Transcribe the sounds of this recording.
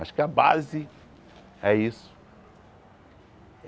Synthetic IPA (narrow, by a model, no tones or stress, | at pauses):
aʃkɪabazɪ | ɛisʊ̥